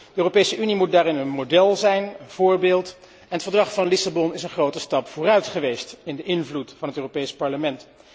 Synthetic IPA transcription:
dəøːropejsəʔynimut̚daːɾɪnənmodɛlˠzɛjnənv̥ʊːɹbɪːlˠt | ɛnɦətfəɹdrɑχfɑnlɪsabɔnɪsənχrowtəstɑpfʊːrœɥtχəʋejstɪndəʔɪnvlutfɑnɦətøːropejspɑɹləmɛnt

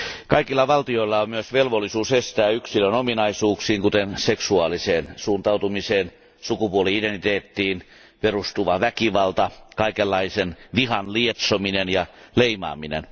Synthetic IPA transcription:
kɑikilːɑʋɑlt̪ioilːɑommyøsʋelʋolːisuːsest̪æːyksilønominɑisuːksiːŋkut̪enseksuɑːliseːnsuːnt̪ɑut̪umiseːn | sukupuoliident̪it̪eːt̪ːiːn | perust̪uʋɑʋækiʋɑlt̪ɑkɑikelːɑisenʋihɑnliet̪sominenjɑleimɑ̰ːminḛn

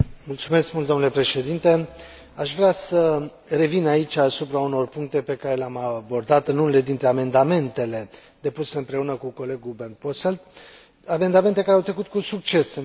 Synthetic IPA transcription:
mult̪sume̞skmult̪d̪omnule̞pɾe̞ʃe̞d̪int̪e̞ | aʃvɾeasə | re̞vinait͡ʃasupɾauno̞rpuŋk̚t̪e̞pe̞kaɾe̞leamabo̞rd̪at̪ɨnunele̞d̪int̪ɾe̞ame̞nd̪ame̞nt̪e̞le̞ | d̪̥e̞puse̞ɨmpɾe̞unəkuko̞le̞ɡubernposeld̪ | ame̞nd̪ament̪e̞kaɾeawt̪ɾe̞kut̪kusuk̚t͡ʃe̞s

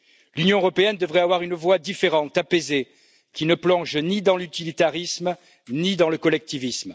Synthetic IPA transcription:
lynjɔ̃øʁɔpeɛnd̪əvʁɛavwaʁynvwad̪ifeʁɑ̃t̪apeze | kʲinəplɔ̃ʒnid̪ɑ̃lyt̪ilit̪aʁism | nid̪ɑ̃ləkɔlɛk̚t̪ivism

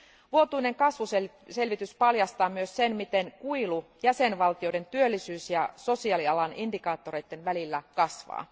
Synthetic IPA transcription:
ʋuot̪uine̞ŋkɑsʋuse | se̞lʋit̪yspɑljɑst̪ɑːmyøssenmit̪e̞ŋkuilujæsenʋɑlt̪io̞jde̞nt̪yølːisyːsjɑso̞siɑliɑlɑnindikɑːt̪ːo̞rɾe̞jt̪ːenʋælilːækɑsʋɑ̰ː

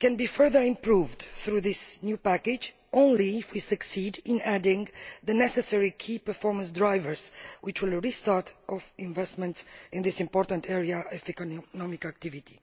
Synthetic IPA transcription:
kɛ̃nbifɜ˞ðəɹĩmpɹuvd̪θɾuðɪsnjupækɪd͡ʒ | õnliːfwisɨksidɪ̃nædɪ̃ŋðənɛsɛsɛɹikʰipə˞fɔɹmə̃ns̬dɹajvəɹz̥wɪt͡ʃwɪlˠɹistɑɹtʰʔɔvɪ̃ɱvɛstmɛ̃ntsĩnðisĩmpɔɹt̪ə̃nt̪ʰɛɹiaɔfɛkonɔmikak̚t̪ivit̪i̥

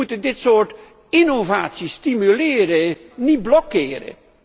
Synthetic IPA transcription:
utəndɪtsoːrt | ɪnovaːtsistimylɪːɾə | nit̚blɔkːɪːɾə̰

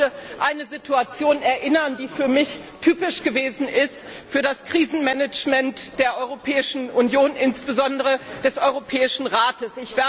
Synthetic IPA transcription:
əʔaɪnəzitʰuat͡sjoːnɛɐʔɪnɐndiːfyːɐmɪç | tʰyːpɪʃɡ̥əveːzn̩ʔɪst | fyːɐdaskʁ̥iːzn̩mɛnɛt͡ʃmɛntd̥eːɐʔɔʏʁopʰɛːɪʃn̩ʔʊnjoːnʔɪnsb̥əzɔndəʁəd̥ɛsʔɔʏʁopʰɛːɪʃn̩ʁaːtəsɪçv̥ɛːɐ

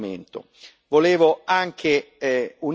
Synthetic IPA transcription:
mḛnt̪o̰ | voleːvoaŋkʰe | un

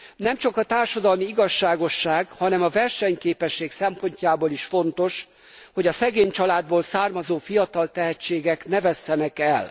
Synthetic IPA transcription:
nɛmt͡ʃɒkɒt̪aːrʃɒd̪ɒlmiiɡɒʃːaːɡo̞ʃːaːɡhɒnɛmɒvɛrʃɛɲkeːpɛʃːeːksɛmpo̞ɲcaːboːliʃfo̞nt̪o̞ʃ | ho̞ɟɒsɛɡeːɲt͡ʃɒlaːd̪boːlsaːrmɒzoːfijɒt̪ɒlt̪ɛɦɛt͡ʃːeːɡɛknɛvɛst̪ɛnɛkɛl

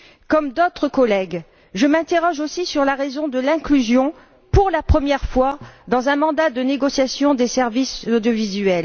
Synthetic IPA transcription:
kɔmd̪ot̪χəkɔlɛɡ | ʒəmɛ̃t̪eʁɔʒosisyʁlaʁezɔ̃d̪əlɛ̃klyzjɔ̃ | puʁlapχəmjɛʁfwad̪ɑ̃zɛ̃mɑ̃d̪ad̪əneɡɔsjasjɔ̃d̪esɛʁvisod̪jovizyɛl

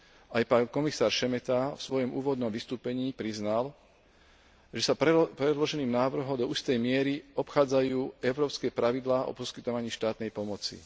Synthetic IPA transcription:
ajpankɔmisaːɾʃɛmɛt̪afsʋɔjɔmʔuːʋɔd̪nɔmʋist̪uːpɛɲiːpɾiznal | ʒɛsapɾɛd̪lɔʒɛniːmnaːʋr̩ɦɔmd̪ɔuːst̪ɛjmɪɛɾiɔpxaːd͡zajuːɛʊɾɔːpskɛːpɾaʋid̪laːʔɔ̰pɔskit̪ɔʋaɲiːʃt̪aːt̪nɛjpɔmɔt͡sḭ

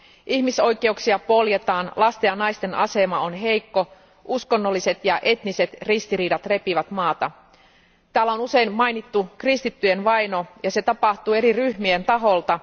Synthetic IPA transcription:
ʔiçmiso̞jke̞uksiɑpo̞lje̞t̪ɑːnlɑst̪ejɑnɑjst̪e̞nɑ̰se̞mɑo̞nɦe̞jkːo̞ | ʔusko̞nːo̞lːise̞t̪jɑʔe̞t̪nise̞t̪rist̪iɾiːdɑt̪re̞piʋæt̪mɑːt̪ɑ | t̪æːlːæonuse̞jmmɑjnit̪ːukrist̪it̪ːyjenʋɑjno̞jɑse̞t̪ɑpɑht̪uːe̞ɾiryhmient̪ɑɦo̞lt̪ɑ

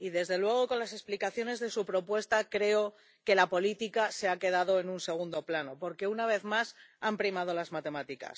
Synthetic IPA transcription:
iðe̞zðe̞lwe̞ɣ̞o̞ko̞nlase̞splikaθjo̞ne̞zðe̞supɾo̞pwe̞st̪akɾe̞o̞ | ke̞lapo̞lit̪ikase̞ake̞ð̞aðo̞enunse̞ɣ̞und̪o̞plano̞po̞ɾke̞unaβ̞e̞θmasampɾimað̞o̞lazmat̪e̞mat̪ika̰s

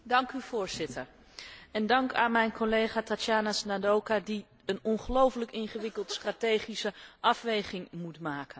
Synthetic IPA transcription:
dɑŋkyv̥ʊːɹz̥ɪtʰəɹ | ɛndɑŋkaːnmɛjnkʰolejχaːtatjaːnasnadowkadi | ənɔnχəlowfələkɪnχəʋɪkəlˠtstratejχisəʔɑfʋejχɪŋmutmaːkən

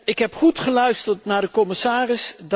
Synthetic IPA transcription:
ɪkɦɛpχutχəlœɥstəɹtnaːɹdəkɔmɪsaːrɪsd

